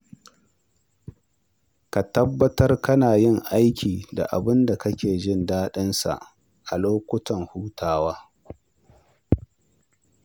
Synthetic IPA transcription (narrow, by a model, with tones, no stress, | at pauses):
ka˨tɐ˦bːɐ˦tɐ˦rkɐ˦naː˨jɪ˦˨ŋʔa˦jkʲʰiː˨da̰˨ʔa˨bɪ˦nda˨kɐ˦kʲeː˨d͡ʒɪ˦ndaː˦ɗɪ˦nsa̰˨ʔ | ʔa˨loː˦kʷʊ˦tɐ˨ŋhuː˦tʰaː˦waː˦